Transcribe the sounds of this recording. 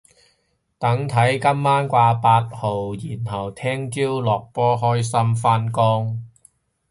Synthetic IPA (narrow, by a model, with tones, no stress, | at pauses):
t̪ɐ˨˥ŋt̪ʰɐ˨˥jkɐ˥mːaː˥nkʷaː˧paː˧t̚ho˨wjiː˨˩nɦɐ˨˩wt̪ʰɛː˥ŋt͡siː˥wlɔː˨k̚pɔː˥ɦɔː˥jsɐ˥mfaː˧nkɔː˥ŋ